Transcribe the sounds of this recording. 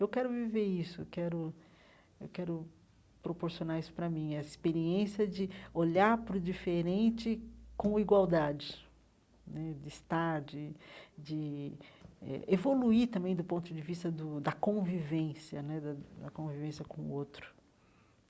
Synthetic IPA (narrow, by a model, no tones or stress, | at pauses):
ewkɛɾʊviveɾisʊḛwkɛɾʊ | ḛwkɛɾʊ | pɾopoɾsionaisʊ̥pɾɐmĩɛɐispeɾiẽsjɐd͡ʒɪoʎaɾpɾʊd͡ʒifeɾẽnt͡ʃɪkõiɡwawd̪ad͡ʒɪ | nɛd͡ʒɪist̪aɾd͡ʒɪd͡ʒɪ | ɛ̰evoluit̪ɐ̃mbẽj̃d̪ʊpõnt̪ʊd͡ʒɪvist̪ɐd̪ʊd̪ɐkõvivẽsjɐnɛd̪ɐd̪ɐkõvivẽsjɐkõʊ̰owt̪ɾʊ̥